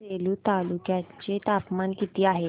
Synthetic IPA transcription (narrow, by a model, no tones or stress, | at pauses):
eluːt̪alukjat͡ɕet̪apmankit̪iːaɦe